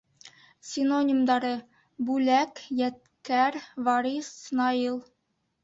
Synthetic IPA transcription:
sʲɪnonʲimd̪ɑɾɤ | bʉlækjæt̪̚kæɾvɑɾisːnɑilˠ

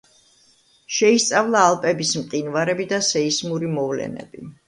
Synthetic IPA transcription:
ʃɛist̪sʼavlˠaːlˠpʼɛbismqʼinvaɾɛbid̪asɛismuɾimɔvlɛ̰nɛ̰bḭ

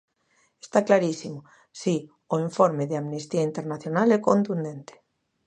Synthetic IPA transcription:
e̥st̪aklaɾisimo | si | oiɱfoɾmeðeamnist̪iaint̪eɾnaθjonalɛkont̪und̪ent̪e̥

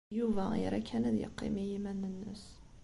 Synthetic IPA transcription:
juvæḭɾækʰːænæðjə̰qːḭmijimænːənːəs

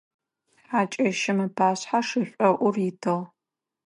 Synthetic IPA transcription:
aːt͡ʃʼɐʃɐmɨpʰaːɕħaʂɨɕʷʼɔʔʷʊrjɪtʰɨʁ

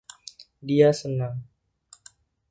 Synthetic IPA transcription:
diasənaŋ

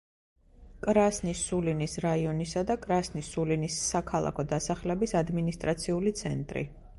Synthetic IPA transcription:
kʼɾasnisulinisɾaiɔnisad̪akʼɾasnisulinisːakʰalˠa̰kʰɔd̪asaχlɛbisad̪minist̪ʼɾat̪sʰiulit̪sʰɛnt̪ʼɾḭ

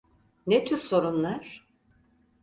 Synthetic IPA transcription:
net̪ʰyɾso̞ɾunlˠaɾ̥

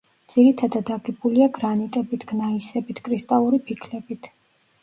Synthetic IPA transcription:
d̪z̥iɾit̪ʰad̪ad̪aɡɛbuliaɡɾanit̪ʼɛbit̪ʰɡ̥naisɛbit̪ʰkʼɾist̪ʼalˠuɾipʰikʰlɛbit̪ʰ

